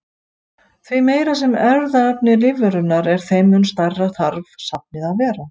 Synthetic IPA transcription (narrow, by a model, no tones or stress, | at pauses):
θvimeːjɾasɛmɛɾðaɛpnɪlɪvʏɾʏnaɾɛɾ̥θejmʏnst̪ajrːaθaɾvsap̚nɪðaðvɛːɾa